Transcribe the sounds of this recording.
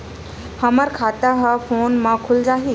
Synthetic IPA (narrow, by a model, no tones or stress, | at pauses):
həməɾkʰaːt̪aɦəfoːnmãkʰʊld͡ʒaːɦi